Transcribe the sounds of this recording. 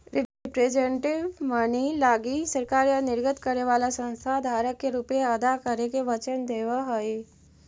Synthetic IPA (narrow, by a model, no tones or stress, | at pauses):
ɾɪpɾed͡ʒenʈɪʋmənilaːɡisəɾkaːɾjanɪɾɡət̪kəɾneʋaːlasə̃nst̪ʰad̪ʱaːɾəkːeɾuːpeɐd̪akəɾekeʋət͡ʃənd̪eːʋəɦoi